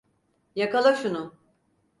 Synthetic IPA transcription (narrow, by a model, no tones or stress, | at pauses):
jakalˠaʃunʊ